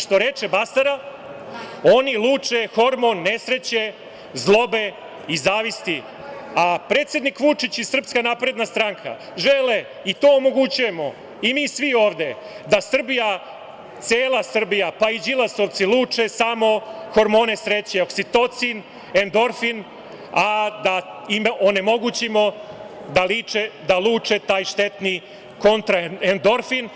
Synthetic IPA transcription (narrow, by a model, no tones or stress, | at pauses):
ʂt̪o̞ɾe̞t͡ʃebasaɾa | o̞nilˠuːt͡ʂe̞xo̞ɾmo̞nːesɾe̞t͡ɕe̞ | zlˠo̞be | izaːʋist̪i | apɾet̪sje̞d̪nikʋut͡ʂit͡ɕisr̩pskanaːpɾe̞d̪nast̪ɾaŋkʰa̰ | ʒele | it̪o̞ːomo̞ɡut͡ɕuje̞mo̞ | imiːsʋio̞ːʋd̪e̞ | d̪asr̩bija | t̪seːlˠasr̩bijapaid͡ʑilˠasoʋt̪silˠuːt͡ʂesamo̞xo̞ɾmo̞ːnesɾet͡ɕeoksit̪o̞t̪sin | end̪o̞ɾfin | ad̪aimʔone̞mo̞ɡut͡ɕimo̞d̪alit͡ʂed̪aluːt͡ʂet̪aːjʂt̪et̪ni | ko̞nt̪ɾaend̪o̞ɾfin